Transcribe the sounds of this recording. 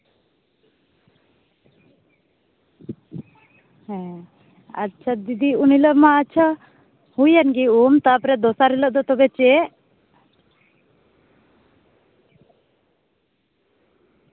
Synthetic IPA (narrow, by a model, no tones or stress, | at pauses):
ɦɛ̃ | ə̰t͡ʃʰad̪id̪iuniləmaːt͡ʃʰa | hujənɡiumt̪apɾɛd̪ɔsaɾiləʔd̪ɔt̪ɔbɛt͡ʃe